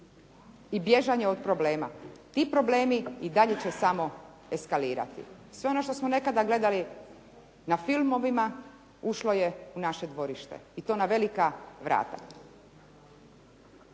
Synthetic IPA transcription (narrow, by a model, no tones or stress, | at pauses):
ibje̞ʒaɲeo̞d̪pɾo̞ble̞ːma̰t̪iːpɾo̞ble̞ːmiid̪aʎe̞t͡ɕesamo̞ | e̞skaliːɾa̰t̪ḭ | sʋe̞o̞no̞ʃt̪o̞smo̞ne̞kad̪aɡle̞d̪ali | nafilmo̞ʋima | uʃlo̞jeunaʃe̞d̪ʋo̞ɾiʃt̪ḛit̪o̞ːnaʋe̞likaʋɾʔa̰ːt̪a̰